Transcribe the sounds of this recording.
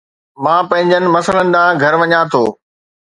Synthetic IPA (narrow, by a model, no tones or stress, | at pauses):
mãːpɐ̃ɦɪ̃ɲd͡ʑənɪ̆mɐsələnɪ̆ɗ̪ãːɡʱɐɾʋɐɲãt̪ʰoː